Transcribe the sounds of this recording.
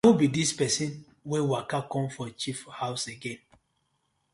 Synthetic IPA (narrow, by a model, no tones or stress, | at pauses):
obidispɛsĩn | wɛ̃wakakɔ̃mfɔt͡ʃifhawseɡɛ̃n